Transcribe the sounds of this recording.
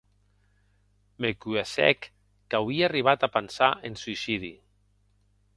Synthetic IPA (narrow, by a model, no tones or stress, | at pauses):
mekyesɛ̰kː | awiaariβ̞at̪apansaʔensuisiðḭ